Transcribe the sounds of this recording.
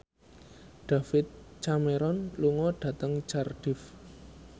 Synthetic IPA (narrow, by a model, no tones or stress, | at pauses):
ɖ̥a̤fɪt̪̚t͡ʃameɾɔnluŋɔɖ̥ä̤t̪əŋt͡ʃarɖ̥ɪf